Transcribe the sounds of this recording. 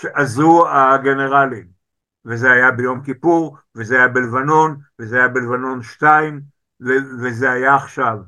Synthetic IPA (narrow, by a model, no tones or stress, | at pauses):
ʃeʔazuaɡe̞ne̞ʁalim | vezeajabejo̞mkipuʁ | vezeajabelevano̞nvezeajabelevano̞nʃtaim | vevezeajaːχʃav